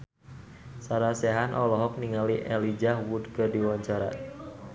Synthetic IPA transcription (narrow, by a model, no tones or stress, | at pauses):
saɾaseɦanʔɔlɔɦɔk̚niŋaliʔɛlid͡ʒahwudkərdiwɔɲt͡ʃaɾa̰